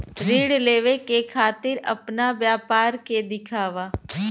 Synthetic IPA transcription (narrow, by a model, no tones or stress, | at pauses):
ɾiːɽleːʋekekʰaːt̪ɪɾə̰pnaʋjaːpaːɾked̪ɪkʰaːʋaː